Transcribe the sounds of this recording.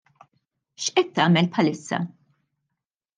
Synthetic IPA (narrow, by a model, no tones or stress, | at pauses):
ʃʔɛt̪ːɐːmɛlpħɐlɪsːɐ̰